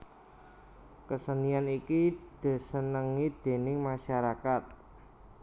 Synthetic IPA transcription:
kəsənianikid̪̥ə̤sənəŋid̪̥e̤nɪŋmaʃaɾakat̪̚

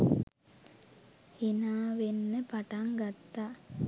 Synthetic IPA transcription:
enaːʋenːəpaʈaŋɡat̪ːa

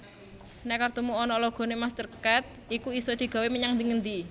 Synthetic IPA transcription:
nɛkart̪umuɔnɔlɔɡ̥ɔ̤nemast̪ərkat̪̚ | ikuisɔd̪̥i̤ɡ̥a̤weməɲaŋd̪iŋənd̪i

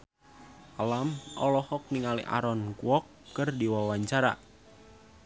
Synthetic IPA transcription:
ʔalamɔlɔhɔk̚niŋaliʔa̰ɾɔnkuɔkːərdiwawaɲt͡ʃaɾa̰

